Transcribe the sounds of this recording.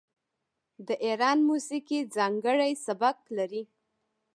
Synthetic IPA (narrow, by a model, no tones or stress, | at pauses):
d̪əʔeɾɑnmusikid͡zɑŋɡəɽajsabak̚laɾi